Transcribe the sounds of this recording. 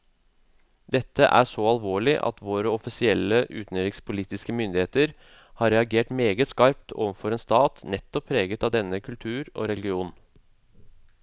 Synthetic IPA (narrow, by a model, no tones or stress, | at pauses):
d̪ɛt̪ʰːə̰ʔæ̰ːʂɔɑlʋoːɭɪʔɑ̰t̪ʋoːɾəɔfɪsɪɛlːəʔʉ̰ːt̪nøɾɪŋspʰʊliːt̪ɪskəmʏnd̪ɪheːt̪əɾ | hɑːɾɛɑɡeːʈmeːɡəskɑɾp̚t̪ʰo̰ːʋənfɔɾeːnst̪ɑːt̪nɛt̪ːɔpʰːɾeːɡət̪ɑːʋd̪ɛnːəkʰʉlt̪ʰʉːɾo̰ːɾɛlɡɪuːn